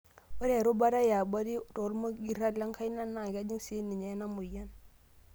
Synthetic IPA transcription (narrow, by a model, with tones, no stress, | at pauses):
wo˦ɾe˨ɾo˦ba˦ɾa˦ja˨ba˦ɾi˦ɾo˨˦ɾmo˦ɡi˨ɾa˦la˦ŋka˦jna˦nːa˨ɡa˦d͡ʒi˦ŋsi˦ni˨ɲe˨˦na˦mu˨ja˦n